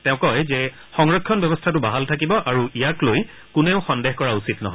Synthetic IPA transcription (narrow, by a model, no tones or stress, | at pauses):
tɛʊ̃kɔjzɛ | xɔŋɹɔkʰːjɔnbjɔbɔstʰatʊbaɦaltʰak̬ibɔʔaɹuijakloj | kʊnɛʊxɔndexkɔɹausitnɔ̰ɦɔj